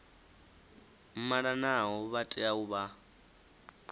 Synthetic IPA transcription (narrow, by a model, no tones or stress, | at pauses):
m̩mananaɦɔβatʼɛauβa